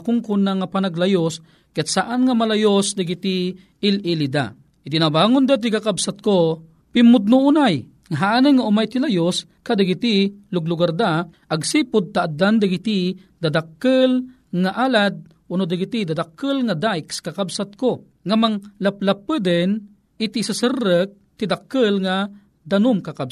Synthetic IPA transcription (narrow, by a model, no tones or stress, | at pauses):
kʊŋkunaŋapanaɡlajos | kat̪saʔanŋamalajosd̪aɡit̪i | ɪlʔilid̪a̰ | ʔit̪inabaːŋʊnd̪at̪̬ikakabsat̪̚ko | pɪmːʊd̪̚nuʔunaj | ŋaɦaʔanəŋaʔʊmajt̪ilajos | kad̪aɡit̪ilʊɡlʊɡard̪aʔaɡsipʊd̪̚t̪aʔːd̪and̪aɡit̪i | d̪ad̪akːəl | ŋaʔalad̪̚ | ʊnʊd̪aɡit̪id̪ad̪akːəlŋad̪ajkskakabsat̪̚ko | ŋamaŋlaplapəd̪ən | it̪isasərːək̚t̪id̪akːəlŋa | d̪anʊmkakab